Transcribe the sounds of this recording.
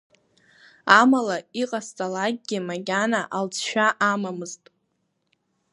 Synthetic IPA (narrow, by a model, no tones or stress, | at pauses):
amalaiqʼast͡sʼalaɡ̚ʲɡʲɪmaɡʲanaʔalt͡sʰʃᶣaʔamamɨztʼ